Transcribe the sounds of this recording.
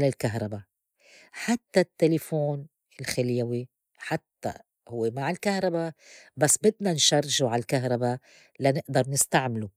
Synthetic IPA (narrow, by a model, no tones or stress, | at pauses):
lalkaɦɾˤɑba | ħat̪ːat̪ːelefoːn | ɪlxɪljawi | ħat̪ːa̰ | hʊwːemaʕɪlkahɾˤɑbabasːbɪd̪nanʃɑrˤːʒuʕalkaɦɾˤɑba | lanɪʔd̪ɑɾˤnɪst̪aʕmɪlu